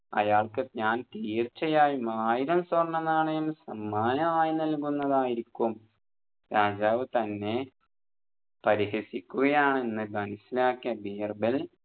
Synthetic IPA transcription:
ɐ̰jaːɭkɨɲaːnt̪iːrt͡ɕːɐjaːjumaːjiɾɐmswɐrnːɐnːaːɳɨensɐmːaːnɐmaːjinɐlkunːɐðaːjiɾikʲːum | ɾaːd͡ʑaːʋɨt̪ɐnːe̞ | pɐɾihesikʲːuɣɐjaːɳenːɨɡɐnisilaːkːɐbiːrbil

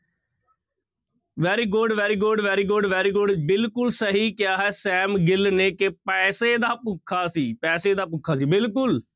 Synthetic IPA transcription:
ʋɛːɾiːɡʊɖʋɛːɾiːɡʊɖʋɛːɾiːɡʊɖʋɛːɾiːɡʊɖbɪlkʊlsəɦiːkɪjaːɦɛːsɛːmɡɪlneːkepɛːseːd̪aːpʊkʰːaːsiːpɛːseːd̪aːp̬ʊkʰːaːsiːbɪlkʊl

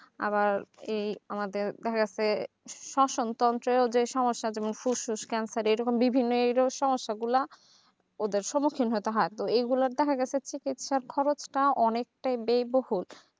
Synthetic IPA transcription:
a̰βaɾejamad̪eɾd̪ɛkʰaɡɛt͡ɕʰe | ʃɔʃont̪ɔnt̪ɾeod͡ʑeʃɔmoʃːad͡ʑɛmonfuʃuʃkɛnsaɾejɾɔkombibʱinːoejɾoʃɔmoʃːaɡula | od̪eɾʃɔmukʰinɦot̪eɦɔet̪oejɡulaɾd̪ɛkʰaɡɛt͡ɕʰet͡ɕikit̪ʃaɾkʰɔɾot͡ɕʈaʔɔnek̚ʈajbejbohul

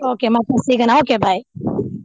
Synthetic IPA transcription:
oːkeːmat̪ɐsiɡənaoːkeːbʱaːj

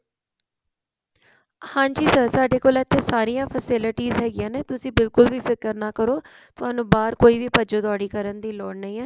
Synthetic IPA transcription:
hãːɲd͡ʒiːsəsaːɖeːkoːlɛt̪ʰːeːsaːɾijãːpʰəsɪlɪʈiːzɦɛːɡɪjãːneːt̪ʊsĩːbɪlkʊlʋiːpʰɪkəɾnaːkəɾoː | t̪ʊaːnũːbaːɾkoːiːʋiːpəd͡ʒõːd̪ɔːɽiːkəɾənd̪iːloːɳnəĩːɛː

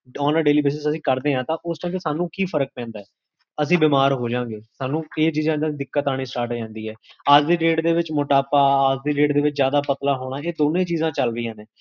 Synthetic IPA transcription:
ɔːnaːɖeːliːbeːs̬ɪsəsĩːkəɾd̪eːãːt̪ãːʔʊsʈːt̪esaːnũːkiːpʰəɾək̚pɛ̃ːnd̪aːɛː | əsĩːbɪmaːɾɦoːd͡ʒãːŋɡeːsaːnːũːeːt͡ʃiːzãːad̪ɪkːət̪aːɽ̃iːsʈaːɾʈd͡ʒãːnd̪iːɦɛːəd͡ʒd̪iːɖeːʈd̪eːʋɪt͡ʃmʊʈaːpaːad͡ʒd̪iːɾeːʈd̪eːʋɪt͡ʃzjaːd̪aːpət̪laːɦoːɽ̃aːeːd̪oːnẽːt͡ʃiːzãːt͡ʃəlɾiːãːnẽː

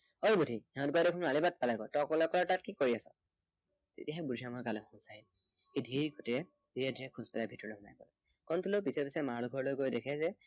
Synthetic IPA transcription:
oɹɡutʰihɛɦɔ̃tɡoadekʰʊnalibat̚palajkɔtɔkɔlɔkɔlɔtat̚kikoɹiasɔ̰ | tḛtiaɦɛbudʱiamɔjkalɔɔ̃sai | hedʱiɹɡʱotiɹɛ | tetiadʱiɛkʰuzpɛlabʱitɔɹlojɦɔna̰jkɔlɛ | kɔntulopisɛpisɛmaɹlɔɡʱɔɹlojɡojdekʰɛzɛ

